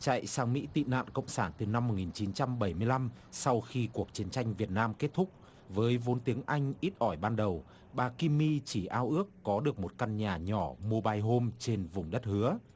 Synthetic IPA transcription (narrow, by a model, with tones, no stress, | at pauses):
t͡ɕa̰˧˨jsaː˨˧ŋmḭ˧˥t̪ḭ˧˨na̰ː˧˨nkə̰˧˨wŋ͡msaː˧˩nt̪ɨ˨˩na˧mːo˨˩t̚ŋi˨˩nt͡ɕi˨˦nt͡ɕa˧mɓə˧˩jmɨ˧əjla˧msa˧wxi˧ku˨˩ək̚t͡ɕi˨˦ənt͡ɕa˧jŋ̟vi˨˩ət̚naː˧mke˦˥t̚t̪ʰʊ˦˥k͡p̚ | vəː˨˦jvo˨˦nt̪i˨˦əŋʔa˧jŋ̟ʔi˦˥t̚ʔɔ˧˩jɓaː˧nɗə˨˩w | ɓaː˨˩ki˧mːi˧t͡ɕi˧˩ʔaː˧wʔɨ˦˥əkːɔ˨˦ɗɨ˨˩ək̚mo˨˩t̚ka˧nɲaː˨˩ɲɔ˧˩mu˧ɓaː˧jɦo˧mt͡ɕe˧nvʊ˨˩ŋ͡mɗə˦˥t̚hɨ˨˦ə